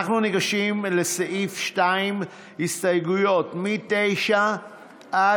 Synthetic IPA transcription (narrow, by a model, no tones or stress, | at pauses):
χnuniɡaʃimleseʔifʃtaim | histajɡujo̞tmitejʃa | ʔa